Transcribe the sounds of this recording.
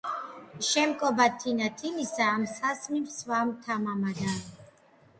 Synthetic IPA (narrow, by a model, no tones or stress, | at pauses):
ʃɛmkʼɔbat̪ʰinat̪ʰimisaːmsasmimsvamt̪ʰamamad̪a